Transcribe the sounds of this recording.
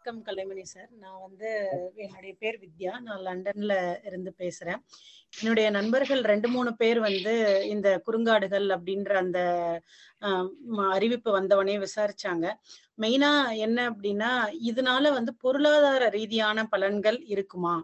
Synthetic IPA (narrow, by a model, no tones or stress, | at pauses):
kːɐmkɐlːɐɪmɐnisaːɾnãːʋɐnd̪ɯɛnːɯɽɐjɐpeːɾʋɪd̪jaːnãːlɐɳɖɐɾnɪlɪɾɯnd̪ɯpeːsɯɾẽː | ɛnːɯɽɐjɐnɐnbɐɾɣɐɭɾɛɳɖɯmuːɳɯpeːɾʋɐnd̪ɯɪnd̪ɐkʊɾɯŋɡaːɽɯɣɐɭɐp̬ːɐɽɪnrɐːnd̪ɐ | ɐɾɪʋɪpːɯʋɐnd̪ɐʋɐneːʋɪsaːɾɪt͡ʃːaːŋɡɐ | mɛɪnaːɛnːɐːp̬ːɐɽɪnːaːɪðɐnaːlɐʋɐnd̪ɯpɔɾɯɭaːðaːɾɐɾiːðɪjaːnɐpɐlɐnɡɐɭɪɾɯkːɯmaː